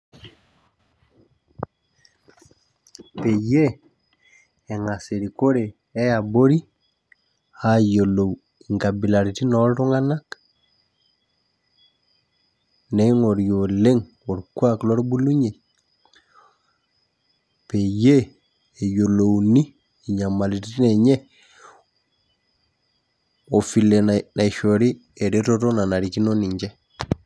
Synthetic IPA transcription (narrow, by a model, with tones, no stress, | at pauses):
pe˨je˦ | ɛ˨ŋa˨se˨ɾi˨ko˦ɾe˨ | ɛ˦ja˨bo˦ɾi˦ | ha˦jo˨lo˨w | i˨ŋka˨bi˨la˨ɾi˨ti˦nɔ˦ltu˦ŋa˦na˦k | nɛ˨˦ŋo˨ɾjo˨le˦ŋ | o˨ɾku˦aklo˦ɾbu˦lu˦ɲe˨ | pe˨je˦ | e˨jo˨lo˨wni˦ | i˨ɲa˨ma˨lititi˦ne˨ɲe˦ | o˨fi˨le˨nna˨ʃoɾi˦ | e˨ɾe˦ɾoto˦na˨na˨ɾi˨ki˦no˦ni˨ɲd͡ʒe˦